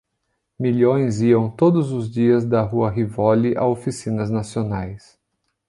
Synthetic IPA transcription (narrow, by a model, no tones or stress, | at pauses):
miʎõj̃ziɐ̃w̃t̪od̪ʊzʊzd͡ʒiɐzd̪ɐɦuɐɦivɔliʔa̰ofisĩnɐznasionajs